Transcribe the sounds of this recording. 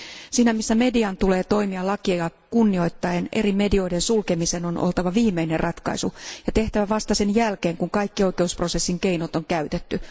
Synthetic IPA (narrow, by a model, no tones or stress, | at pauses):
siːnæmisːæme̞diɑnt̪ule̞ːt̪o̞imiɑlɑkiɑjɑkunːio̞jt̪ːɑenʔe̞rime̞dio̞ide̞nsulkemise̞nonʔo̰lt̪ɑʋɑʋiːmeinerrʔɑt̪kɑ̰isujɑt̪e̞ht̪æʋæʋɑst̪ɑse̞njælkeːŋkuŋkɑjkːio̞jk̟e̞uspro̞se̞sːiŋke̞ijnot̪oŋkæyt̪et̪ːy